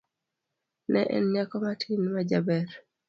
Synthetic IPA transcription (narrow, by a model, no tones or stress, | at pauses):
nɛʔɛ̰nɲakɔmatʰinmad͡ʒabɛɾ